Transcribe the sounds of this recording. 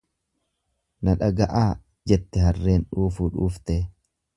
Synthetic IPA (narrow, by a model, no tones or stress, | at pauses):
nɐᶑɐɡɐʔaː | d͡ʒɛt̪ːɛɦɐrːe̞ːnᶑuːfuːᶑuːft̪ɛ